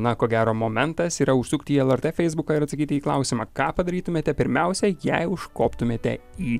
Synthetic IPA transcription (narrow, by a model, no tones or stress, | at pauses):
nɐkoːɡʲæːɾoːmoːmʲɛnt̪ɐsiːɾɐʊʃsuːkt̪ʲɪiːɛlˠɐɾt̪eːfʲɛɪzbʊkoɪɾɐt̪sɐkʲiːt̪ʲɪiːklˠɑ̰ʊsʲɪmɑːkɑːpɐd̪ɐɾʲiːt̪ʊmʲeːt̪ʲɛpʲɪɾʲmʲɛʊsʲɛjɛɪʊʃkoːpt̪ʊmʲeːt̪ʲɛ̰iː